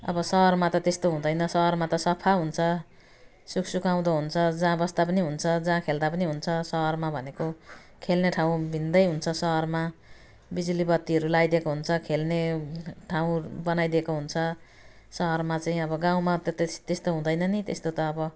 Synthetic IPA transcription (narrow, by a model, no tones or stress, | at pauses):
ʌ̰bʌsʌɦʌrmat̪ʌt̪est̪oɦũd̪ʌjnʌsʌɦʌrmat̪ʌsʌpʰaɦunt͡sʰʌ | suksukaw̃d̪ʌɦunt͡sʰʌd͡zãbʌst̪apʌniɦunt͡sʰʌd͡zãkʰeld̪apʌniɦunt͡sʰʌsʌɦʌrmabʱʌneko | kʰelneʈʰaw̃bʱind̪ʌjɦunt͡sʰʌsʌɦʌrma | bid͡zulibʌt̪ːiɦʌɾulajd̪ekoɦunt͡sʰʌkʰelneʈʰaw̃bʌnajd̪ekoɦunt͡sʰʌ | sʌɦʌrmat͡saĩʌbʌɡãw̃mat̪ʌt̪est̪est̪oɦũd̪ʌjnʌnit̪ḛst̪ot̪ʌːbʌ